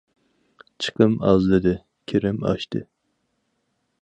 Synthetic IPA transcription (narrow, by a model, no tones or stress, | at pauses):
t͡ʃʰɨ̥qʰəmɑzlɨd̪ɨ | kʲʰeɾɪmɑ̰ʃt̪ɨ